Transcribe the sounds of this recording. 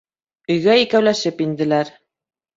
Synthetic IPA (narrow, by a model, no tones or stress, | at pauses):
ɵ̆jɡæikæwlæʃɘpind̪ɘ̆læɾ